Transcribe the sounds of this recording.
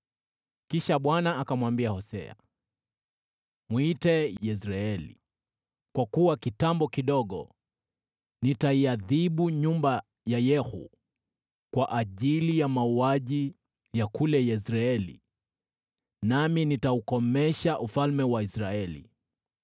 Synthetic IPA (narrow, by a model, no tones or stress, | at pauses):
kiʃaɓwanaːkamwambiahɔsɛ̰a̰ | mwitɛjɛsɾaɛlḭ | kwakuwakitambɔkiɗɔɠɔ̰ | nitaiaðiɓuɲumba | jajɛhṵ | kwaʔaʄilijamauaʄi | jakulɛjɛsɾaɛlḭ | naminitaukɔmɛʃaʔufalmɛwaisɾaɛlḭ